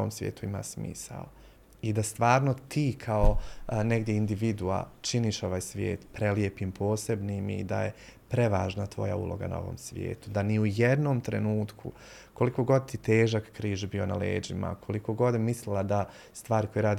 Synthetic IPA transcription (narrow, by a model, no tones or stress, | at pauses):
omsʋʲjeːt̪uima̰ːsmḭːsa̰l | id̪ast̪ʋaːɾnot̪ʰiːkʰaoneɡd̪jeind̪iʋid̪ua̰t͡ʃiniːʃo̞ʋaːjsʋjḛːt̪pɾelje̞pimpʰo̞ːse̞bnimḭd̪a̰je | pɾe̞ʋaːʒnat̪ʋo̞̰ja̰ṵlo̞̰ɡa̰na̰o̞̰ʋo̰ːmsʋjḛːt̪ud̪aniujed̪noːmt̪ɾenuːt̪kʰṵ | ko̞liko̞ɡo̞d̪̚t̪it̪eːʒakːɾiːʒbio̞na̰lḛːd͡ʒima̰kʰo̞likoɡo̞d̪mislilad̪a | st̪ʋaːɾiko̞jeɾaːd̪